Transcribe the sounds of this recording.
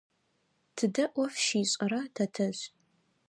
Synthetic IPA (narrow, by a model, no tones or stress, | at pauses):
tʰɨdɐʔʷɔfʃiːɕʼɐɾɐtʰɐtʰɐʑ